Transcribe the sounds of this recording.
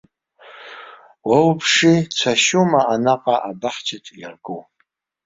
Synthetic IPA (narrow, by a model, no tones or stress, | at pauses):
wawpʰʂit͡sʷʰaʃumaanaqʼaʔabaħt͡ʃʰatʼjarɡow